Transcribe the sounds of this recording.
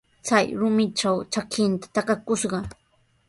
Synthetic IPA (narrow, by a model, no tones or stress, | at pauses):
t͡sajɾʊmɪʈ͡ʂawt͡ʃakʰɪnt̪ḁt̪akakʊʃɢɑ